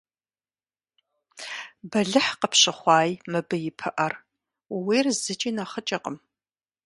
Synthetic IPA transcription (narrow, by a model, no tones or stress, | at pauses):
bɐɮɨħqəpɕɐχʷɑːjmɨbɨjɪpʰɨʔɐr | wiːrzɨt͡ʃʼiːnaχət͡ʃʼɐqʼəm